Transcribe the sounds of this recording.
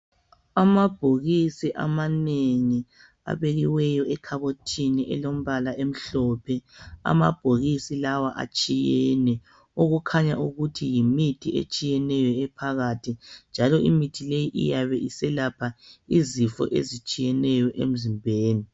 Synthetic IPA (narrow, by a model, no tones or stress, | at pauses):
amab̥ʱoɣisiʔa̰maneŋi | a̰βeɣiwɛjɔʔɛkʰaβotʰiniʔɛ̰lom̩βalaʔem̩ɬɔpʰɛa̰ma̰b̥ʱoɣisilawaʔa̰t͡ʃʼijɛnɛ | oɣukʰaɲa̰ʔuɣutʰijimitʰiḛt͡ʃʼijɛnɛjɔɛpʰaɣatʰind͡ʒʱalɔḭmitʰilejiʔḭjaβɛʔisɛlapʰaizifɔ̰ʔḛzit͡ʃʼijɛnɛjɔʔḛm̩zimbʱeːni